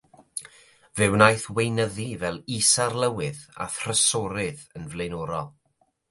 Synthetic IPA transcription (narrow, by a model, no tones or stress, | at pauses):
vɨwnajθwejnəðivɛlˠisarlˠəwɨða̰θrəsɔɾɨðənvlˠejnɔːɾɔlˠ